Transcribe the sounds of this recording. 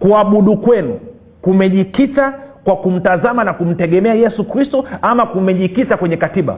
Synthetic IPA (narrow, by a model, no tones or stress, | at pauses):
kuaɓuɗukwɛnu | kumɛʄikitakwakum̩tazamanakum̩tɛɠɛmɛajɛsukɾistɔamakumɛʄikitakwɛɲɛkatiɓa̰